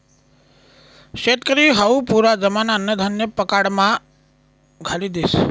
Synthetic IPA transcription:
ʃet̪kəɾiɦəupuɾad͡ʒəmanaənəd̪ʱənjəpəkaɽmã | ɡʱalid̪is

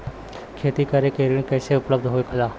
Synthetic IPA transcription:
kʰeːt̪ikəɾekeːɾɽ̃ĩkəːseʊpləb̚d̪ʱɦoːjkʰəlaː

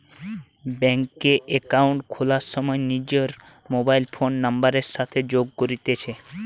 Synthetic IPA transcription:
bɛŋkeʔekawɳʈkʰolaɾʃɔmɔenid͡ʒoɾ | mobajlpʰonːambaɾeɾʃat̪ʰed͡ʑoɡ̚koɾit̪et͡ʃʰe

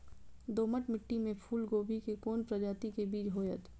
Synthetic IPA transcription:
d̪oːməʈmɪʈːimẽpʰuːlɡoːbʱikekoːnpɾɐd͡ʒaːt̪ikebiːd͡ʒɦoːjət̪

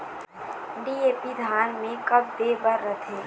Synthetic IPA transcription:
ɖiːeːpid̪ʱaːnmẽkɐb̚d̪eːbəɾːət̪ʰeː

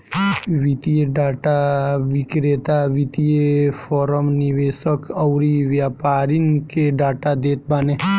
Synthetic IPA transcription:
ʋit̪ijeɖaːʈaʋikɾet̪aʋit̪ijefoːɾəmniʋeːsəkɐwɾiʋjaːpaːɾinkeɖaːʈad̪eːt̪̚baːne

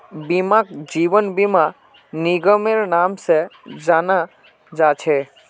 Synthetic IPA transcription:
bimãkd͡ʒiʋənbima | niɡəmeɾnamsed͡ʒana | d͡ʒat͡ʃʰɛ

